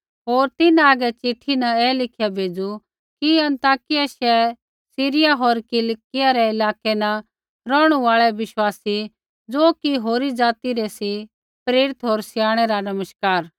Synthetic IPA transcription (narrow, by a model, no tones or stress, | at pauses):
ɦoːɾt̪ɪnaaːɡɛt͡ʃɪʈʰːinɐɛːlɪkʰjabʱeːd͡zu | kiɐ̃nt̪aːkɪjaʃɛ | siːɾɪjaɦoːɾkɪlkɪjaɾɛɪlaːkenɐ | ɾɔːɽ̃uaːɭɛʋɪʃwaːsi | d͡zoːkiɦoːɾid͡zaːt̪iɾɛsi | pɾeːɾɪt̪ɦoːɾsjaːɽ̃ɛɾanɐməʃkaːɾ